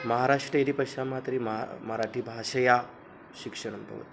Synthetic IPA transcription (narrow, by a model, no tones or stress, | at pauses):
mɐɦaɾaʂʈɾəjeɾipɐʃamat̪ɾimɦmɐɾaʈʰiːbʱaʃəja | ɕikʂəɽ̃ənt̪ə̰ʋə̰t̪